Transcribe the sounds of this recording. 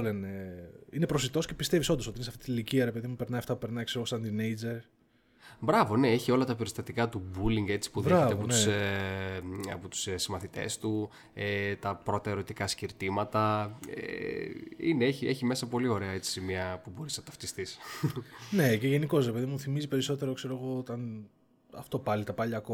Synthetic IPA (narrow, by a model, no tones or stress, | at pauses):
oleneine̞pɾosit̪o̞sce̞pist̪eviso̞nd̪osot̪iinsɐft̪it̪iiliciɐɾe̞pe̞ðimupe̞ɾnɐjɐft̪ɐpu̥pe̞ɾnɐikseosɐnd̪inejd͡ze̞ɾ | bɾɐvo̞ne̞eçio̞lɐt̪ɐpio̞ɾist̪ɐt̪ikɐt̪ubuliŋɡe̞t͡si̥puðeeɐpous | ɐ̰pot̪u̥ssimɐθit̪e̞̰st̪u | et̪ɐpɾo̞t̪ɐeɾo̞t̪ikɐsciɾt̪imɐt̪ɐḛ | ineeçieçime̞sɐpo̞lio̞ɾe̞ɐe̞t͡si̥simiɐpubo̞ɾisnɐt̪ɐft̪ist̪is | ne̞ceʝe̞niko̞s̬ɾepe̞ðimmuθimizipe̞ɾiso̞t̪e̞ɾokse̞ɾo̞ɣo̞ot̪ɐn | ɐft̪o̞pɐlit̪ɐpɐʎɐko